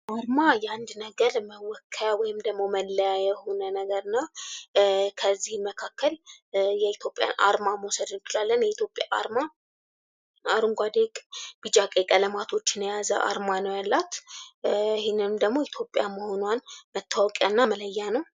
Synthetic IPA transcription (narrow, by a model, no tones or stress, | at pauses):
ʔaɾmajɛand̪nəɡəɾməwɔkʰːajawɔjɪmd̪əɡmo̞məlːəjajɛho̞nənəɡəɾɨnːa | kʰəzːihməkʰakːəljɛit̪ʰjo̞pʼja̰nʔa̰ɾmamwɔsəd̪ɨnt͡ʃɪlalːənjɛit̪jo̞pʼjaʔa̰ɾma | aɾuŋɡʷad̪ekʼb̥ɨd͡ʒakʼekʼələmat̪ʰo̞t͡ʃːɪnəjazə̰ʔa̰ɾmanəwjalːat̪ | hɪnɨmd̪əɡmo̞it̪ʰjo̞pʼjaməho̞nanmət̪ʰːawɔkʼjanːamələjːanəw